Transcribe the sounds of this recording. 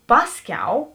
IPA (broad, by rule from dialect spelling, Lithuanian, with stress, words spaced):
ˈpɑːsʲˌkʲɛʊ